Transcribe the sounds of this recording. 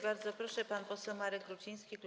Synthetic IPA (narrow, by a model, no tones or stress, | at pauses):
baɾd̪zɔpɾɔʂɛpanpɔsɛwmaɾɛɡ̚ɡɾut͡ɕij̃skʲikt̪u